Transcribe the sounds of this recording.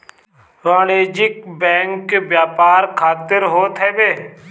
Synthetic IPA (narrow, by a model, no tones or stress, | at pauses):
ɾaːleːd͡ʒɪkbɛ̃ːŋkbjaːpaːɾkʰaːt̪ɪɾɦoːt̪ɦɛːbeː